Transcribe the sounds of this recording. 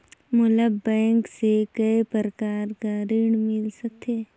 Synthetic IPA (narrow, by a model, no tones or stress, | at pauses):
mʊləbːɛ̃ːŋksekəepəɾəkaːɾkaɾɪɽmɪlsək̚t̪ʰeː